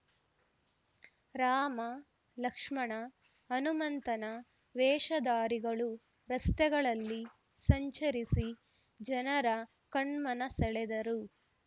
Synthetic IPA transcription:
ɾaːmɐ | lɐkʂmɐɳɐː | numɐnt̪ɐnɐ | ʋɛːʂɐd̪aːɾiɡɐɭu | ɾɐst̪ɛɡɐɭɐlːi | sɐɲt͡ʃɐɾisi | d͡ʒɐnɐɾɐ | kɐɳmɐnɐsɛɭɛd̪ɐɾu

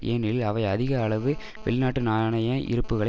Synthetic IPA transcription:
ʔeːnɪlɐʋɐɪɐðɪɣɐːɭɐʋɯ | ʋɛ̰ɭnaːʈːɯnaːɳɐjɐ̃ʔɪ̰ɾɯpːɯɣɐɭɐ

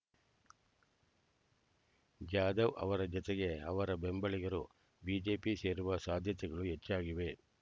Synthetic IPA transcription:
d͡ʒaːd̪ɐʋʔɐ̰ʋɐɾɐd͡ʒɔt̪ɛɡe̞ɐʋɐɾɐbembɐɭiɡɐɾu | biːd͡ʒe̞ːpise̞ːɾuʋɐsaːd̪ʱjɐt̪ɛɡɐɭuɦet͡ʃːaːɡiʋe̞

